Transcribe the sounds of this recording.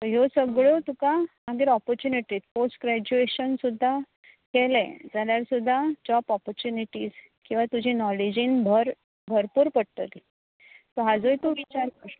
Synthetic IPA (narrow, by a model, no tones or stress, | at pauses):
t̪əɦjosəɡɭot̪ukamaɡiɾɔpəɾt͡ɕuniʈiːt̪̚posʈɡɾæd͡ʑueɕənsud̪ʱːa | kelɛ̰d͡zaljaɾsud̪ʱːad͡ʑɔpɔpəɾt͡ɕuniʈiːd͡z | kĩw̃ʋat̪ud͡ʑʱĩnɔlid͡ʑĩnbʱəɾ | bʱəɾpuːɾpəɽt̪ət̪i | t̪oɦad͡zojt̪oʋit͡ɕaɾkə